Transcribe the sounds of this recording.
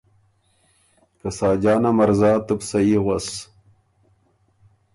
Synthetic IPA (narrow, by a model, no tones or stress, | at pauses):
kɐsaːd͡ʑaːnamɐɾzaːt̪ɨbsɐiʁwɐs